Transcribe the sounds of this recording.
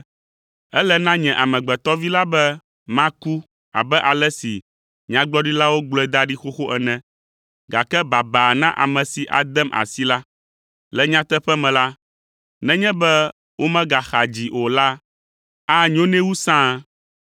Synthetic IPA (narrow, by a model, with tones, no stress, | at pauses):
ɛ˦lɛ˦nã˦ɲɛ̃˨ʔa˨mɛ̃˨ɡ͡bɛ˨t̪ɔ˦vi˦la˦bɛ˦ | mã˦ku˦ | a̰˨bɛ˦ʔa˨lɛ˦si˨ | ɲ˨ã˦ɡ͡blɔ˦ɖi˦la˦wo˦ɡ͡blɔ˨˦ɛ˦˨d̪a˦ɖi˦xo˦xo˦ʔɛ˨nɛ̃˨ | ɡa˨kɛ˦ba˨ba˨nã˦ʔa̰˨mɛ̃˨si˨ʔa̰˨d̪ɛ˦mʔa̰˨si˦la˦ | lɛ˨ɲã˦t̪ɛ˦ɸɛ˦mɛ̃˨la˦ | nɛ̃˦ɲɛ̃˦bɛ˦ | wo˦mɛ̃˦ɡa˨xa˨d͡ʑi˨ʔo˨la˦ | a˦ɲ˦õ˦nɛ̃˦wu˦sã˦